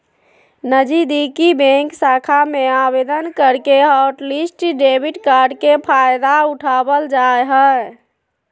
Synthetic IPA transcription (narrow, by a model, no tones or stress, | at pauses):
nəd͡ʒid̪ikibẽŋksakʰameabed̪ənkəɾkeɦaʈlisʈɖebiʈkaɾɖkepʰajd̪auʈʰabəld͡ʒaeɦɛ